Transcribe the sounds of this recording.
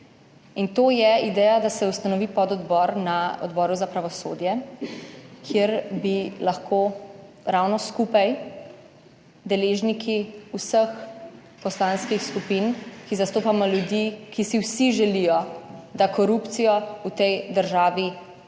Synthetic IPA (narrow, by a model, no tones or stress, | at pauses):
int̪oːjɛid̪ɛːjad̪asɛust̪anɔʋiːpɔd̪ɔd̪bɔɾnaɔ̰d̪bɔːɾuzapɾaʋɔsoːd̪jɛ | kʰjeɾbilaxkʰoː | ɾawnɔskupaj | d̪ɛleːʒnikʰiusəx | pɔslãnskixskupinkizast̪oːpamɔljud̪ikʰisiwsiʒɛlijɔd̪akɔɾupt̪sijɔut̪ɛjd̪əɾʒaːʋi